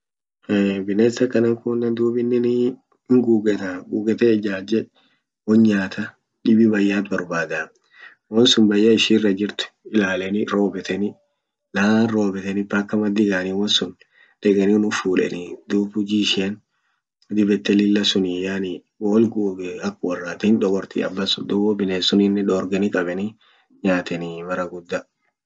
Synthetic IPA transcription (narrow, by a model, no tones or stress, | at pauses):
bɪnesɐkɐnɐŋkʊnːɐnd̪uːbɪnːɪn | ɪŋɡuːɡɛt̪ɐɡuːɡɛt̪ɛd͡ʒaːd͡ʒɛ | wɔɲɲaːt̪ʰɐ | ᶑɪbibɐjːaːt̪bɐɾbaːd̪aː | wɔnsʊnbɐjːɐɪʃiːrːɐd͡ʒɪɾt̪ʊ̥ɪlaːlɛnɪɾo̞ːbɛt̪ɛnɪ | lɐaːnɾo̞ːbɛt̪ɛnɪpɐkːɐmɐd̪ːɪɡaːnɪwɔnsʊn | d̪̥ɛɡɛnɪnʊfuːᶑɛ̰nɪd̪uːbʊd͡ʒiʃɛn | d̪ɪbɛt̪ːɛlɪlːɐsʊnɪjaːnɪ | woːlɡuːɡɛɐkːwɐrːaːt̪ɛnᶑ̪ɔɡɔɾt̪ɪ̰ɐ̰bːɐsʊd̪ʊbɔbɪneːsːʊnɪnːɛᶑoːɾɡɛnɪkʼɐbɛnɪ | ɲaːt̪ɛnɪmɐɾɐɡʊd̪ːɐ